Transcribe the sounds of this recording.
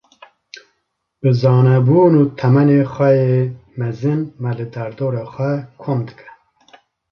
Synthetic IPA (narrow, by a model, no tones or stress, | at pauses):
b̥ɨzɑːnɛbuːnuːt̪ʰɛmɛneːxʷɛjeːmɛzɨnmɛlɨd̪ɛɾd̪oːɾɑːxʷɛkʰomd̪ɨkʰɛ̥